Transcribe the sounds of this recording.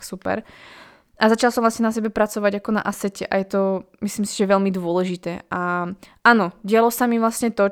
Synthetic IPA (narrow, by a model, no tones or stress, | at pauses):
supɛ̰ɾ | ʔazat͡ʃalˠsɔmʋlasɲɛnasɛbɛpɾat͡sɔʋaɟakɔna̰ʔasɛcɛʔa̰jɛt̪ɔ | mislimsi̥ʒɛʋɛʎmid̪ʊɔlɛʒit̪ɛːaʔanɔɟɪalɔsamiʋlasɲɛt̪ɔ